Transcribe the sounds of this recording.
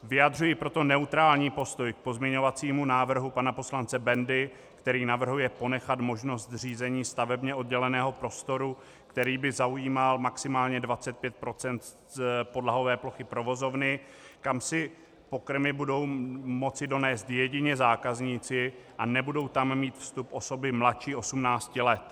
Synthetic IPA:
vɪjadr̝ujɪpɾo̞t̪o̞nɛut̪ɾaːlɲiːpo̞st̪o̞jk̚po̞zmɲɛɲo̞vat͡siːmunaːvr̩ɦupanapo̞slant͡sɛbɛndɪ | kt̪ɛɾiːnavr̩ɦujɛponɛxat̪mo̞ʒno̞st̪r̝iːzɛɲiːst̪avɛbɲɛʔo̞d̚ɟɛlɛnɛːɦo̞pɾo̞st̪o̞ɾu | kt̪ɛɾiːbɪzaujiːmalmaksɪmaːlɲɛdvat͡sɛt̪̚pjɛt̪̚pɾo̞t͡sɛnt̪ | po̞dlaɦo̞vɛːplo̞xɪpɾo̞vo̞zo̞vnɪ | kamsɪ | po̞kr̩mɪbudo̞wmo̞t͡sɪdo̞nɛːst̪jɛɟɪɲɛzaːkazɲiːt͡sɪʔanɛbudo̞wt̪amːiːt̪fst̪upʔo̞so̞bɪmlatt͡ʃiːʔo̞sumnaːt͡scɪlɛt̪

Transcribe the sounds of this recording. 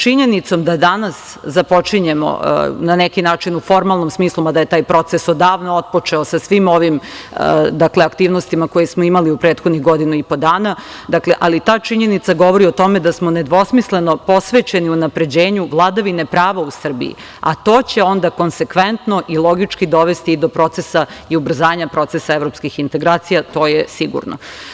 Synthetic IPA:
t͡ʃiɲe̞nit̪so̞md̪ad̪anas | zapo̞t͡ʂiɲemo̰nanekinaːt͡ʂinufo̞ɾmalˠnomsmiːslˠumad̪aje̞t̪aːjpɾo̞t̪sesod̪aːʋnoot̪̚pot͡ʂeosasʋimo̞ʋim | d̪akleakt̪iːʋnost̪imako̞jesmoimaliupɾeːt̪xod̪niɣɡo̞d̪inuipo̞d̪aːnad̪akle̞ʔalit̪aːt͡ʂiɲe̞nit̪saɡo̞ʋo̞ɾiot̪o̞med̪asmo̞ne̞d̪ʋo̞smisle̞no̞po̞sʋet͡ɕe̞niunapɾe̞d͡ʑe̞ːɲuʋlˠaːd̪aʋine̞pɾaːʋausr̩bḭjḭ | a̰t̪o̞ːt͡ɕe̞o̞nd̪ako̞nsekʋent̪no̞ʔilˠo̞ɡit͡ʂkid̪o̞ʋest̪iːd̪o̞pɾo̞t̪sesaiubr̩zaːɲapɾo̞t̪esaevɾo̞pskixint̪e̞ɡɾaːt̪sijat̪o̞ːjesiɡṵɾno̰

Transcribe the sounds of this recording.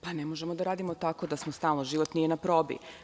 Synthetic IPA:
panemoʒemo̞d̪aɾaːd̪imo̞t̪ako̞d̪asmost̪aːlˠnoʒiːʋo̞t̪nije̞napɾo̞ːbḭ

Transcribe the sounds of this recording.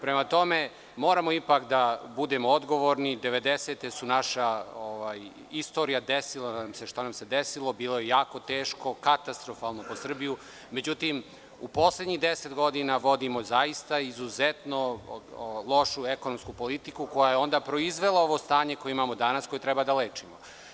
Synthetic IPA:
pɾe̞mat̪o̞me | mo̞ːɾamoipakd̪abud̪emood̪ɡo̞ʋo̞ɾnid̪e̞ʋe̞d̪eset̪esunaʃaoʋaj | ist̪o̞ɾijad̪esilˠaamseʃt̪anamse̞d̪esilˠo̞biːlˠo̞je̞jaːko̞t̪eːʃko̞kat̪ast̪ɾo̞faːlˠno̞posr̩biju | med͡ʑut̪im | upo̞slˠe̞d̪ɲiɣd̪eset̪ɡo̞d̪inaʋo̞d̪imo̞zajist̪aizuzet̪no̞ | lˠo̞ʃuekonomskupo̞lit̪ikuko̞jajeo̞nd̪apɾo̞izʋe̞lˠao̞ʋo̞st̪aːɲeko̞jeimaːmo̞d̪anasko̞jet̪ɾɛbad̪aleːt͡ʃimo

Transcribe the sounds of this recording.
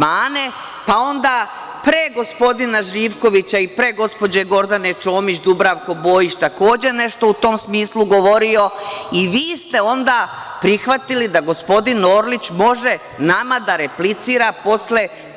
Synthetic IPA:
maːne̞ | pao̞nd̪aː | pɾeɡo̞spo̞d̪inaʒiːʋko̞ʋit͡ɕaipɾe̞ɡo̞spo̞d͡ʑe̞ɡo̞ɾd̪ane̞t͡ʃo̞ːmit͡ɕd̪ubɾaʋko̞bo̞ːjit͡ɕt̪ako̞ːd͡ʑe̞ne̞ʃt̪o̞ut̪o̞ːmsmiːslˠuɡo̞ʋo̞ɾio̞iʋiːst̪e̞o̞nd̪aːpɾixʋat̪ilid̪aɡo̞spo̞d̪ino̞ːɾlit͡ɕmo̞ʒe | namad̪aɾeplit̪siːɾapo̞sle̞

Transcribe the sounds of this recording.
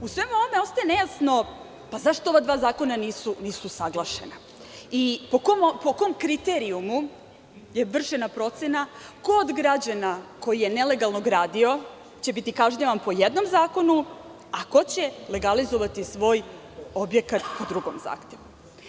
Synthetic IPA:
usʋe̞muo̞ʋomeo̞st̪aje̞ne̞jasno̞ | pazaʃt̪ooʋad̪ʋaːzaːko̞naniːsuniːsusaɡlˠaʃe̞̰na | ipokompokomkɾit̪eɾiumu | je̞ʋr̩ʃe̞napɾo̞t̪sena | koːd̪ɡɾad͡ʑanako̞jije̞ne̞le̞ɡalˠno̞ɡɾaːd̪io̞ | t͡ɕe̞bit̪ikaʒɲaʋanpo̞jed̪no̞mzaːko̞nu | ako̞t͡ɕele̞ɡalizoʋat̪isʋo̞ːj | obje̞kat̪pod̪ɾuɡo̞̰mza̰ːxt̪e̞ʋu

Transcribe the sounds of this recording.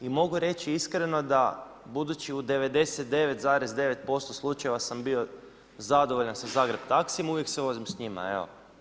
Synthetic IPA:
imo̞ɡuɾe̞t͡ʃiiskɾe̞no̞d̪a | bud̪ut͡ʃiud̪e̞ʋe̞d̪e̞set̪̚d̪e̞ʋet̪zaːɾezd̪e̞ʋe̞t̪̚po̞st̪oslˠut͡ʃajeʋasambio̞ | zad̪oʋoʎansazaːɡɾe̞bt̪aksijmuʋjekseʋo̞zimsɲima̰ḛo̰

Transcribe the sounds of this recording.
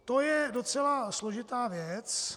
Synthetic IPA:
t̪ojɛdo̞t͡sɛlaslo̞ʒɪt̪aːvjɛt͡s

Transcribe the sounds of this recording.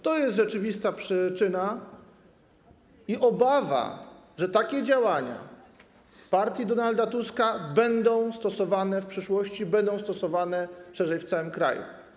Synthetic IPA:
t̪ɔjɛst̪ʐɛt͡ʂɘvʲist̪apʂɘt͡ʂɘna | iʔɔbava̰ | ʐɛt̪akʲɛd͡ʑawaɲa̰ | paɾt̪ʲjid̪ɔnald̪at̪uskabɛnd̪ɔ̃w̃st̪ɔsɔvanɛfpʂɘʂwɔɕt͡ɕibɛnd̪ɔ̃w̃st̪ɔsɔvanɛʂɛʐɛjft̪sawɘmkɾa̰jṵ

